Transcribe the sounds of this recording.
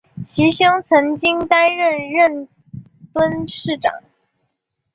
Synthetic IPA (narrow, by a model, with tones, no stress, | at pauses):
t͡ɕʰi˧˥ɕjɤ˥ŋt͡sʰɤ˧˥ŋt͡ɕi˥ŋt̪a˥nɻə˥˧nɻə˥˩n | fwə˥nʂɻ̩˥˩ʈ͡ʂɑ̰˨˩˦ŋ